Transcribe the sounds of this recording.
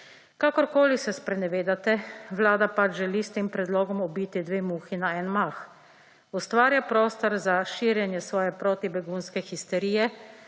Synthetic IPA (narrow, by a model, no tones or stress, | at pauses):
kaːkɔɾkoːlisɛspɾɛnɛʋeːd̪at̪ɛʋlaːd̪apat͡ʃʒɛliːst̪eːmpɾɛd̪lɔːɡɔmɔbiːt̪id̪ʋeːmuːxinaɛːnmax | ɔst̪ʋaːɾjapɾoːst̪ɔɾzaʃiːɾjɛnjɛsʋɔːjɛpɾoːt̪ibɛɡuːnskɛxist̪ɛɾiːjɛ